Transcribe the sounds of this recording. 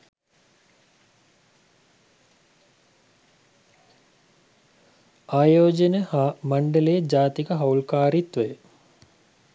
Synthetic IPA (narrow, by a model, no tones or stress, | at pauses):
aːjoːd͡ʑənəhaːmɐɳɖələjəd͡ʒaːt̪ikəɦɐwlkaːɾit̪ʋəjə